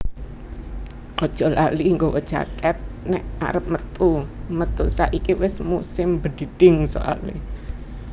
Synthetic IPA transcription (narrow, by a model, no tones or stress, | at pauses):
ʔɔd̥ʒ̥ɔ̤laliŋɡowɔd̥ʒ̥a̰kɛt̪̚nɛʔa̰ɾəp̚mət̪umət̪usaʔikiwɪsmusɪmbəd̥id̥ɪŋso̰ʔa̰lḛ